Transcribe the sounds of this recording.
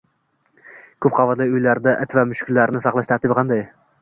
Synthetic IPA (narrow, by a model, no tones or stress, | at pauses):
kʲʰɵp̚qʰɑvɑt̪lˠɪjʊjlaɾd̪aʔɪt̪ʰvamʊʃkʰʲʊlːaɾnɪsɑqlˠɑʃt̪ʰaɾt̪ɪbɪqʰɑnd̪ɑj